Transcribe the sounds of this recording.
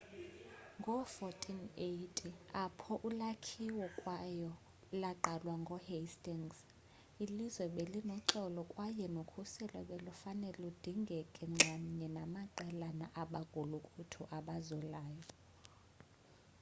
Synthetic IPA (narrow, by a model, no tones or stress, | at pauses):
ŋɡʱɔfɔtʰʼinejtʰʼiapʰɔʔulakʰiwɔkʼwajɔ | laǃalwaŋɡʱɔhestʼiŋs | ilizwɛɓelinɔǁɔlɔkʼwajɛnokʰusɛla̰ɓelufanɛlud̥ʱiŋɡʱɛkʼɛŋ͡ǁaɲɛnamaǃɛlanaʔaɓaɡ̥ʱulukʼutʰuʔaɓazɔlaːjɔ